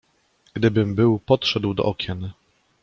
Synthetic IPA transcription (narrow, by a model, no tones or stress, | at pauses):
ɡ̥d̪ɘbɘmbɘwpɔtʂɛd̪wd̪ɔ̰ʔɔkʲjɛn